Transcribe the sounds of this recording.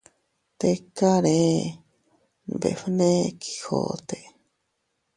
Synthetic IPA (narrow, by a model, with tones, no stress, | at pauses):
t̪eka˦ɾe | n˨bḛ˨fɨne˦kʰi̥ho̰t̪e˨